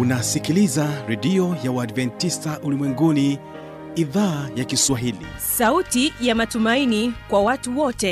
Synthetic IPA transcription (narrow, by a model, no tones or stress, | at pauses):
unasikilizaɾɛɗiɔjawaːdvɛntistaʔulimwɛŋɡuni | iðaːjakiswaɦilḭsautijamatumainikwawatuwɔtɛ